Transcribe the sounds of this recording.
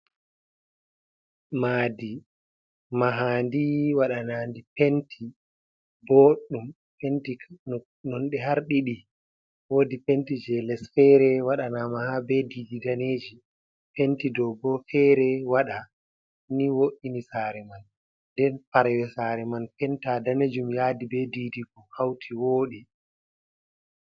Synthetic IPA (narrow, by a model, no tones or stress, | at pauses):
maːdi | maɦandiwaɗanandipentʰi | boɗum | penti | nɔnɗɛɦaɾɗiɗi | wodipentid͡ʒɛlɛsfɛɾɛwaɗanamahabɛdiːdidaneːd͡ʒi | pentidɔbɔfɛɾɛwaɗa | niwoʔinisaːɾɛman | dɛnfaɾwɛsaːɾɛmanpɛntadaned͡ʒumjaːdibɛdiːdiɡɔhawtʰiwoːɗi